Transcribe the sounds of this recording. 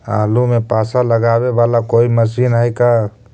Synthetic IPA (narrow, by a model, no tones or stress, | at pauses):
a̰ːlumepaːsaləɡaːwebaːlakoːiməsiːnaika